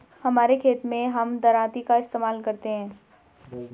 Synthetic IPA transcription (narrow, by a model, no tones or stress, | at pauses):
hɐmaːɾekʰeːt̪mẽɦɐmd̪ɐɾaːt̪ikaɪst̪eːmaːlkɐɾt̪eɦɛ̃ː